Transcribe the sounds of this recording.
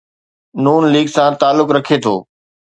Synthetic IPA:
nuːnliːɡsãt̪aːlːʊkɾɐkʰet̪ʰo̰ː

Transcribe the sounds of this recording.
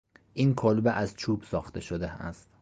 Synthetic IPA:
ʔiːnkʰolbeʔæzt͡ʃʰubsɒːxt̪ʰeʃod̪eæst̪

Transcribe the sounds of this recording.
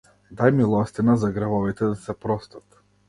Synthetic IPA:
d̪ajmilˠɔst̪inazaɡɾavɔvit̪ɛd̪asɛpɾɔst̪at̪

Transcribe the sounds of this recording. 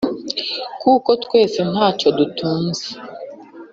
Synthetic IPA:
kuko̞tkwe̞ːsen̥haːco̞dutʰuːnze̥

